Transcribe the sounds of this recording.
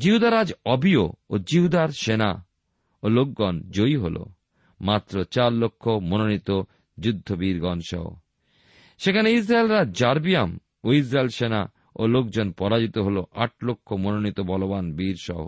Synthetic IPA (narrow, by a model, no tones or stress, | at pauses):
d͡ʑiɦud̪ʱaɾad͡ʑɔbio̰od͡ʑiɦud̪ʱaɾʃena̰ | olok̚ɡɔnd͡ʑojɦolʔo̰ | mat̪ːɾot͡ɕaɾlokʰːomononit̪o | d͡ʑud̪ʱːobiɾɡɔnʃɔ̰o̰ | ʃekʰaneis̬ɾaelɾad͡ʑaɾbijam | ois̬ɾaelʃena̰ | olok̚d͡ʑonpɔɾad͡ʑit̪oɦoloʔaʈ̚lokʰːomononit̪obɔlobanbiɾʃɔ̰ɦo̰